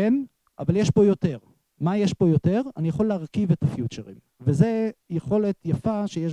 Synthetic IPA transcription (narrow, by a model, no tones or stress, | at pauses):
en | ʔa̰valjeʃbo̞jo̞te̞ʁ | majeʃbo̞jo̞te̞ʁanijaχo̞lːeaʁkivetafjut͡ʃeʁim | veze̞jeχo̞le̞tjafaʃejeʃ